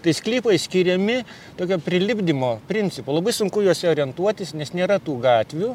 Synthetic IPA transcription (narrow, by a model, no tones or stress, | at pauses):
t̪ɐɪsklʲiːpɐɪsʲkʲiɾʲɛmʲɪ | t̪oːkʲoːpʲɾʲɪlʲɪbʲd̪ʲɪmoːpʲɾʲɪnʲt͡sʲɪpoːlˠɐbɐɪsʊŋkʊjuɔsʲɛoːɾʲiɛnt̪uɔt̪ʲɪsnʲɛsnʲeːɾɐt̪uːɡɑːt̪ʲʋʲuː